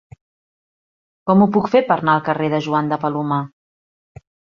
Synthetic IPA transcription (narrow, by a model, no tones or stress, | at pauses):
kɔmupukfepəɾnaəlˠkəreðəʒuand̪əpəluma